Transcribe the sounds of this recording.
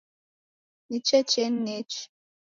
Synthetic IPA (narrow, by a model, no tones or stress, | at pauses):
nit͡ʃɛt͡ʃenːet͡ʃ